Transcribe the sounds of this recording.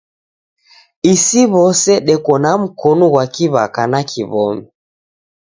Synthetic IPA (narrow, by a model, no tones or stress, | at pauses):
isiβɔsɛɗɛkɔnam̩kɔnɔɣwakiβakanakʰiβɔmɛ